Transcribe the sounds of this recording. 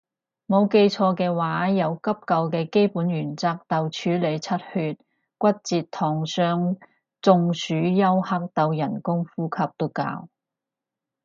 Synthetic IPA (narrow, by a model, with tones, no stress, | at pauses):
mo˨˧wke˧jt͡ʃʰɔː˧kɛː˧waː˨˥jɐ˨˧wkɐ˥p̚kɐ˧wkɛː˧ke˥jpuː˨˥njyː˨˩nt͡saː˧k̚t̪ɐ˨˧wt͡ʃʰyː˨˥le˨˧jt͡sʰɐ˥t̚hyː˧t̚ | kʷɐ˥t̚t͡siː˨˧tt̪ʰɔː˨˩ŋsœː˧ŋ | t͡sʊ˧ŋsyː˨˥jɐ˥whɐ˥k̚t̪ɐ˧wjɐ˨˩nkʊ˥ŋfuː˥kʰɐ˧˥p̚t̪o˥ka̰ː˧w